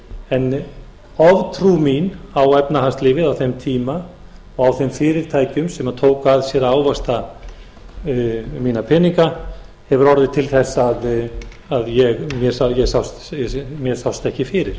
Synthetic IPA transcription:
ɛn | ɔvt̪ʰɾuminawɛpnaɦanst̪lɪːvɪðawθɛmt̪ʰiːma | ɔɣawθɛmfɪːɾɪɾ̥t̪ʰaːjcʏmsɛmaðt̪ʰoːwkaðsjɛɾaːwvast̪a | miːnapʰɪniŋka | hɛvʏɾɔɾðɪt̪ʰɪlθɛsːaːð | aðjɛɣmjɛɾ̥sajɛɣsawst̪ɛmjɛɾ̥sawst̪ɛhcɪfɪːɾɪɾ̥

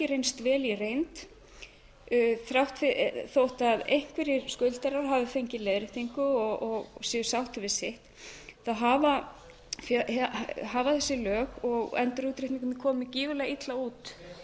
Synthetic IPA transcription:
ɪɾejnst̪vɛːlirejnt̪ | θɾawht̪fɪθowht̪aðejhkʰvɪɾɪskʏlt̪ɛɾaɾɦaːvɪfejɲcɪleːðɾɪθʰiŋkʏɔɔɣsɛʏsawht̪ʏvɪsɪht̪θaðɦaːva | f | ɦaːvaθɛsːɪlœːɣɔɣɛ̰nt̪ʏɾuːt̪ɾɪht̪niŋkʏmɪkʰɔːmɪciːvɪlɛɣit̪lauːt̪

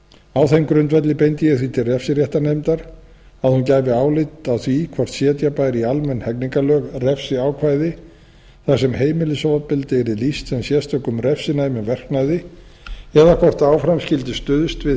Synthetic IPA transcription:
awθejmkɾʏnt̪vɛt̪lɪpejnt̪ɪjɛθit̪ʰɪrɛfsɪrjɛht̪anejmt̪aɾ̥ | aðhuncaːjvɪaːwlɪt̪awθvikʰvar̥t̪sjɛːt̪japaːjɾɪialmɛnhɛkniŋkalœːɣrɛfsɪaːwkʰvajðɪ | θasɛmheːjmɪlɪsoːwvapɪlt̪ɪɛɾilist̪sɛmsjɛst̪œkʏmrɛfsɪnajmɪnvɛr̥knajðɪ | ɛðakʰvɔr̥t̪aːwfɾamscɪlt̪ɪst̪ʏðʏst̪vɪ

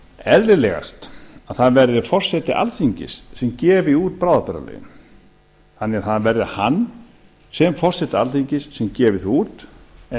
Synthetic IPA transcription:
ɛðlɪlɛːɣa̰st̪aðθaðvɛɾðɪfɔr̥sɛt̪ɪʔa̰lθiɲcɪ̰sːɛmcɛːvɪuːt̪̚pɾaːwðapɛɾa̰lɛ̰ːɣɪ̰m | hanɛaθaðvɛɾðɪhanː | sɛmfɔr̥sɛt̪ɪa̰lθiɲcɪsːɛmcɛːvɪθuːt̪

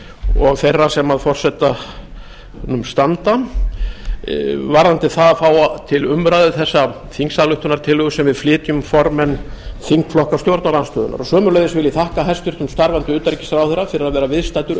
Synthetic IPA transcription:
ɔɣθejrːasɛmaðfɔr̥sɛt̪a | nʏmst̪ant̪a | vaɾant̪ɪθaðfaːwat̪ʰɪlʏmɾajðʏθɛsːa | θiŋksaðlʏht̪ʏnaɾ̥t̪ʰɪlhʏɣʏsɛmvɪðflɪːt̪jʏmfɔɾmɛnːθiŋkflɔhkast̪jowɾt̪nalanst̪œːðʏ̰na̰ɾɔsœːmʏɾlœjðɪsvɪliθahkaɦɛst̪ʏɾ̥t̪ʏmst̪aɾvant̪ʏʏːt̪aɾcɪ̥saɾawθejɾːafɪɾɪɾaðvɛːɾavɪðst̪ajt̪ʏɾ

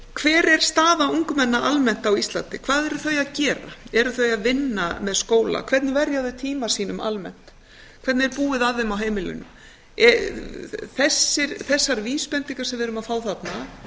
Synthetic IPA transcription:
kʰvɛːɾɛɾ̥st̪aːðauŋkʏmɛnːaʔalmɛn̥t̪awist̪la̰nt̪ɪkʰvaːðɛɾʏθœɥjaðcɛːɾa̰ɛɾʏθœjaðvɪnːa̰mɛðskoːwla̰kʰv̥ɛɾt̪nɪvɛɾjawðʏt̪ʰiːmasiːnʏmʔa̰lmɛ̰n̥t̪ | kʰvɛɾt̪nɛɾpuːɪðaðɪmawɦeːjmɪlʏ̰nʏm | ɛ | θɛsːɪɾθɛsːaɾviːspɛnt̪iŋkḁsɛmvɪɾʏmaðfaːwθat̪na

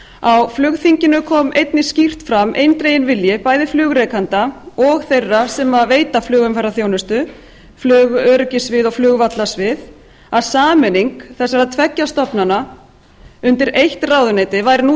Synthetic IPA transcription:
awflʏɣθiɲcɪnʏkʰɔːmejt̪nɪscir̥t̪fɾamʔḛjnt̪ɾejɪnvɪljɪpaːjðɪflʏːɣɾejkant̪aɔɣθejrːasɛmaðveːjt̪aflʏːɣʏmfarːaθjoːwnʏst̪ʏ | flʏːɣœːɾʏcɪsvɪðɔɣflʏːɣvat̪lasvɪð | aðsaːmɛniŋkθɛsːaɾaðt̪ʰvɛcːast̪ɔpnana | ʏnt̪ɪɾejht̪raːwðʏneːjt̪ɪvajɾnu

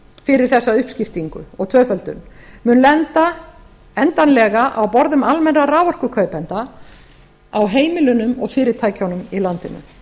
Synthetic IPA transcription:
fɪɾɪɾ̥θɛsːaʏhpscɪft̪iŋkʏ̰ɔɣt̪ʰvœːfœlt̪ʏ̰nmʏːnlɛnt̪a | ɛnt̪anlɛɣaʔawpɔɾðʏmalmɛnraɾaːvɔr̥kʏkʰœːɥpɛnt̪a | awɦeːjmɪlʏnʏmɔɣfɪːɾɪ̥t̪ʰaːjcawnʏmilant̪ɪnʏ̰m

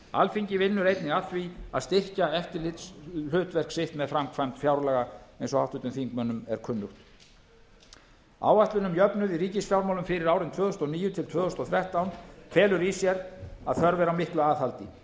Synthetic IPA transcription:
a̰lfiɲcɪvɪnːʏɾejt̪nɪɣaθvia̰ðst̪ɪr̥caɛft̪ɪlɪt̪slʏːt̪vɛr̥ksɪht̪mɛðfɾamkʰvajmt̪fjawɾlaːɣaejnsɔhaft̪ʏt̪ʏmθiŋkmœnːʏmɛɾ̥kʰʏnːʏht̪ | a̰ːwaht̪lʏnʏmjœpnʏðɪɾiːcɪsfjawɾmawlʏmfɪɾɪɾaːwɾɪnt̪ʰvœːðʏst̪ɔniːjʏt̪ʰɪlt̪ʰvœːɣʏst̪ɔθɾɛht̪awnfɛːlʏɾisjɛɾa̰ðθœɾvɛɾawmɪhklʏaːðhalt̪ɪ

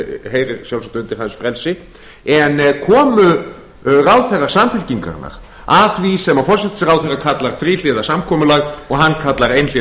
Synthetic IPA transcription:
ɦeːjɾɪɾ̥sjawlsat̪ʏnt̪ɪɾɦansfɾɛlsɪ | ɛnkʰɔːmʏ | raːwθɛɣaɾ̥saːmfɪlciŋka̰ɾna̰ɾ̥ | aðθvisɛmafɔr̥sɛt̪ɪ̥sɾawθɛɣakʰat̪laɾ̥fɾiːlɪðasamkʰɔːmʏlaɣɔɣɦanːkʰat̪laɾejnlɪ

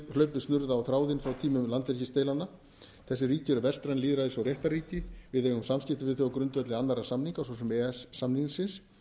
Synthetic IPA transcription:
lœɥpɪstnʏɾðaːwθɾaːwðɪnfɾawt̪ʰiːmʏmlant̪vɛɾcɪst̪eːjlanːa | θɛsːɪriːcɪɛɾʏvɛrst̪ɾanliːðɾaðɪsawrjɛht̪aɾiːcɪvɪðejhunsamscɪft̪ɪvɪðθɔɔkɾʏnt̪vœt̪lɪanːaɾasamniŋkawsɔsʏmɛːɛsːamniŋsɪns

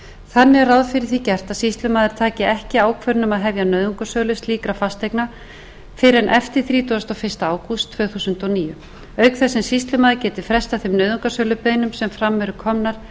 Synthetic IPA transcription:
θanːɪraðfɪɾɪɾθicɛr̥t̪aðsist̪lʏmaːðɪɾ̥t̪ʰaːcɪɛhcɪaːwkʰvœɾnʏmaðɦɛvjanœɥðʏŋkasœːlʏst̪liːkɾafast̪ejkna | fɪɾɛnʔɛft̪ɪɾ̥θɾiːt̪uast̪ɔfɪr̥st̪aaːwkust̪ʰvœːɣθusʏnt̪ɔniːjʏ | œɥkθɛsːɛnsist̪lʏmaːðɪɾcɛːt̪ɪ̥fɾɛst̪awθemnœɥðʏŋkasœːlʏpeːjnʏmsɛmfɾamːɛɾʏɾkʰɔmnaɾ̥

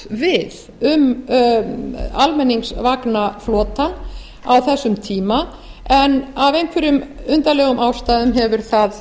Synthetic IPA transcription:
vɪð | ʏm | almɛnːiŋksvaknaflɔːt̪an | awθɛsːʏmt̪ʰiːma | ɛnavejŋkʰvɪɾʏmʏnt̪alɛːɣʏmʔawst̪aːðʏmɦɛvʏɾ̥θað

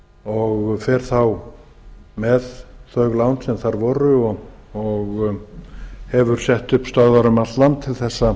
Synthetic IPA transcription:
ɔɣfɛɾ̥θaw | mɛðθœɥɣlawnsɛmθaɾvɔɾʏɔ | ɔɣ | hɛvʏɾ̥sɛht̪ʏhpst̪œððaɾʏmat̪lant̪ʰɪlθɛsːa

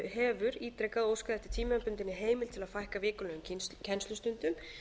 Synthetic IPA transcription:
ɦɛːvʏɾiːt̪ɾejkaðoːwskaðɛht̪ɪ̥t̪ʰiːmampʏnt̪ɪnːɪɦeːjmɪl̥t̪ʰɪlaðfajhkavɪːkʏlœːɣʏmcʰɛnst̪lʏst̪ʏnt̪ʏm

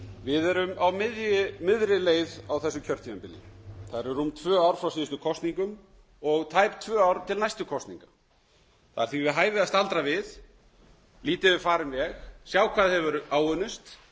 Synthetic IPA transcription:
vɪðɛɾʏmawmɪðjɪmɪðɾɪleːjðawθɛsːʏcʰœɾ̥t̪ʰiɛmpɪlɪ̰θaðɾɛɾumt̪ʰvœːawɾ̥fɾawsiːst̪ʏkʰɔst̪niŋkʏm | ɔɣt̪ʰajpt̪ʰvœːawɾt̪ʰɪlnajst̪ʏkʰɔst̪nḭŋkḁ | θaðaɾθɥivɪðɦaːjvɪðast̪alt̪ɾavɪð | liːt̪ɪvɪfaːɾɪmvɛxsjaːwkʰvaːðhɛvʏɾaːwœnʏst̪

